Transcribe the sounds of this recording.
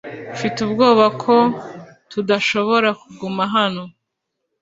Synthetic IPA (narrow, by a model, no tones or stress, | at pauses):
fitubɡoːβakʰo̞ | tudaʃo̞βo̞ɾakuɡumaɦano